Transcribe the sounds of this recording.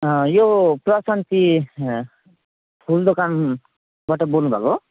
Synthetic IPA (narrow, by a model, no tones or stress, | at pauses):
joprʌasant̪i | pʰuld̪okan | baʈʌbolnubʱa̰ko